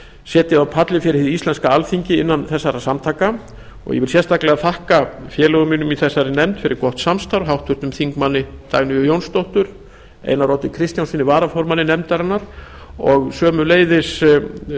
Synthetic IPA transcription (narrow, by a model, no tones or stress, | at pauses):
sjɛːt̪ɪðawpʰat̪lɪfɪɾɪðist̪lɛnskaalfiɲcɪɪnːanθɛsːaɾasamt̪ʰaːka | ɔ̰ɣjɛ̰vɪl̥s̬jɛst̪aklɛɣaθahkafjɛːlɛɣʏmiːnʏmiθɛsːaɾɪnɛmt̪fɪɾɪɾkɔht̪samst̪awɾ̥ɦawht̪vʏɾ̥t̪ʏmθiŋkmanːɪt̪aɣnɪʏjownst̪owht̪ʏɾ | ḛjnaɾɔːwt̪ɪkʰɾɪst̪jawnsfinɪvaːɾafɔɾmanɪnɛmt̪aɾanaɾ̥ | ɔɣsœːmʏleːjðɪs